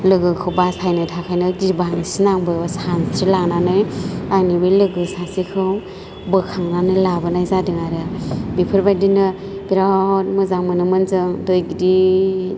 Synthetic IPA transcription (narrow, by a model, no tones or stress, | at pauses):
lɯɡɯkʰɯwbasʰajnɯtʰakʰajnɯdibanisinaŋbɯbasantʰɾilaŋnanɯjajnibɯlɯɡɯsasikʰɯw | bɯkʰaŋnanɯjlabɯnajzadiŋaɾɯbipʰɯɾbadinɯ | b̥iɾat̚mɯzaŋmɯnɯmɯnzɯŋdojɡidi